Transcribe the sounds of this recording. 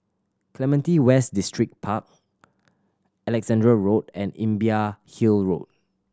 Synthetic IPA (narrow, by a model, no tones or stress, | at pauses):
kʰlɛmɛ̃ntiwɛsdistɹik̚pʰak̚ | ɛlɛksɛ̃ndɹəɹot̚ɛ̃nḭ̃mbiahilɹo̰t̚